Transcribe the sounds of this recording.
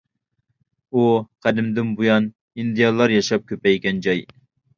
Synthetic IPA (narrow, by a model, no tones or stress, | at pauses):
uqʰæd̪ɪmd̪ɪnbujɑn | ind̪ɨjɑlˠːɑɾjɑʃɑp̚kʲʰøpɛjkʲɛnd͡ʒɑj